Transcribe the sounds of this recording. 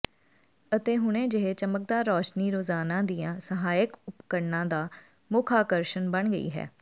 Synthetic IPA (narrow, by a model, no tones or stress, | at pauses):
ət̪eːɦʊɽẽːd͡ʒəɦeːt͡ʃəmək̚d̪aːɾɔːʃniːɾoːzaːnãːd̪ijãːsəɦaːjəkʊpkəɾnãːd̪aː | mʊːkʰaːkəɾʃənbəɳɡəḭːɦɛ̰ː